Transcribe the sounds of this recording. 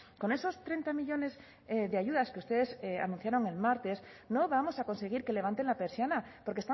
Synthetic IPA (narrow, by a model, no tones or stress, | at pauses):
ko̞ne̞so̞st̪ɾe̞nt̪amiʎo̞ne̞z | ðeaʝuðaskeust̪e̞ðe̞sea̰nũn̟θjaɾo̞ŋe̞lmaɾt̪e̞sno̞βamo̞sako̞nse̞ɣ̞iɾke̞leβant̪e̞ŋlapeɾsjanapo̞ɾkest̪a